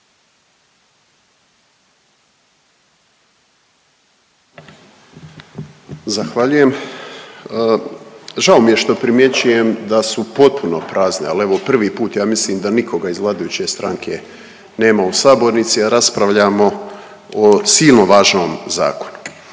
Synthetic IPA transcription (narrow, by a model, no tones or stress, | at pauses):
zaxʋaʎuje̞m | ʒao̞mije̞ʃt̪o̞pɾimje̞t͡ɕuje̞md̪asupo̞t̪̚puno̞pɾaːznealeʋo̞pr̩ʋiːpuːt̪jaːmisliːmd̪aniko̞ɡaizlˠaːd̪ajut͡ɕe̞st̪ɾaŋkʰe̞ | ne̞ːmausaːbo̞ɾnit̪siaɾaspɾaʋʎamo̞ | osiːlno̞ʋaːʒno̞ːmza̰ːko̞̥nu̥